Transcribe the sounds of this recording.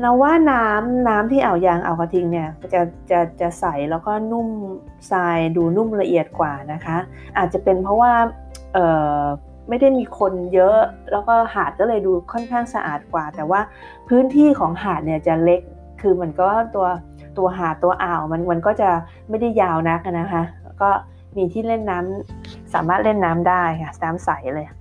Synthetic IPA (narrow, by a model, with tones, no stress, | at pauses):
la˦˥waː˥˩naː˦˥mnaː˦˥mt̪ʰiː˥˩ʔa˨˩wjaː˧ŋʔa̰˨˩wka˧t̪ʰi˧ŋni˥˩ɐt͡ɕa˨˩t͡ɕa˨˩t͡ɕa˨˩sa˨˩jlɛː˦˥wkɔː˥˩nu˥˩m | saː˧jduː˧nu˥˩mla˧ʔi˨˩ət̪̚kwaː˨˩na˦˥kʰa˦˥ | ʔaː˨˩t̪̚t͡ɕa˨˩pe˧npʰɔ˦˥waː˥˩ | ʔɤː˨˩ | ma˥˩jda˥˩jmiː˧kʰo˧njɤ˦˥ʔlɛː˦˥wkɔː˥˩haː˨˩t̪̚kɔː˥˩lɤː˧jduː˧kʰɔ˥˩nkʰaː˥˩ŋsa˧ʔa̰ː˨˩t̪̚kwaː˨˩t̪ɛː˨˩waː˥˩ | pʰɯː˦˥nt̪ʰiː˥˩kʰɔː˩˦ŋɦaː˨˩t̪̚ni˧˩˨t͡ɕa˨˩le˦˥k̚ʰː | ɯː˧ma˩˦ənka˨˧˩p̚waː˥˩t̪u˧ɐ | t̪u˧ɐɦaː˨˩t̪ːu˧ɐʔaː˨˩wma˧nma˧nkɔː˥˩t͡ɕa˨˩ | ma˥˩jda˥˩jːaː˧wna˦˥k̚ʔa˧na˦˥kʰa˦˥ | kɔː˥˩ | miː˧t̪ʰiː˥˩le˥˩nːaː˦˥msa̰ː˨˩˦maː˥˩t̪̚le˥˩nːaː˦˥mdaː˥˩jkʰa˥˩naː˦˥msa˨˩˦jlɤː˧j